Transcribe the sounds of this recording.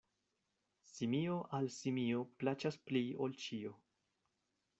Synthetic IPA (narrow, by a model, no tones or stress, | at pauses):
simio̞ʔalsimio̞plat͡ʃasplio̞lt͡ʃio̞